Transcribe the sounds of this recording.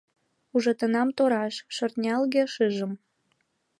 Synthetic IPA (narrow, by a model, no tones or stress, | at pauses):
uʒɤ̆t̪ə̆nɑmt̪oɾɑʃʃɤ̆rt̪nʲɑlɣeʃɨʒəm